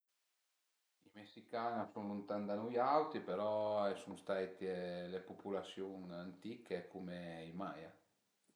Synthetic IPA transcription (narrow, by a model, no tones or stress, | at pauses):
imesikaːnasuŋlunt̪and̪anujawt̪ipeɾɔɛsuŋst̪ajt̪ilepupulasjuŋant̪ikekumeimaja